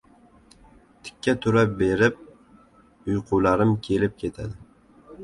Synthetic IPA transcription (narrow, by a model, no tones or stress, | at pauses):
t̪ʰɪ̥kʲːat̪ʰʊɾap̚beɾɪp̚ | ʊjqʰʊlaɾɪmkʲʰe̞lɪp̚kʲʰe̞t̪ʰa̰d̪ɪ